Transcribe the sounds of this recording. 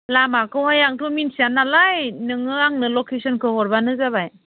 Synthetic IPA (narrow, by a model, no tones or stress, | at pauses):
lamakʰɯwhajaŋtʰɔminsianalajnɯŋɯaŋnɯlɔkʰesɔnkʰɯhɔɾbanɯzabaj